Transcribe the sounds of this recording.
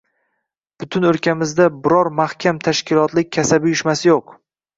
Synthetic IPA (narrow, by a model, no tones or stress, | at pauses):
b̥ʊt̪ʰʊnɵɾkʲʰamɪzd̪abɪɾɒɾmahkʲʰamt̪ʰaʃkʲɪlˠɒt̪lɪk̚ʲːʰasabɪjʊʃmasɪjoq